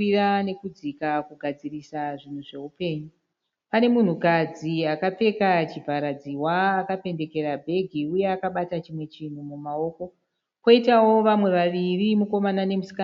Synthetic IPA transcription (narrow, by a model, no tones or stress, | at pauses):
irane̞kud͡zikakuɡʱad͡zirisaʐin̤uʐe̞upe̞ːɲu | pane̞mun̤ukad͡ziakap͡fe̞kat͡ʃibʱaɾad͡ziwaːkape̞nde̞ke̞ɾabʱe̞ɡʱiuje̞akaɓatat͡ʃimwe̞t͡ʃin̤umumao̞ːko̞ | ko̞itawo̞ʋamwe̞ʋaʋirimuko̞manane̞musi̥ka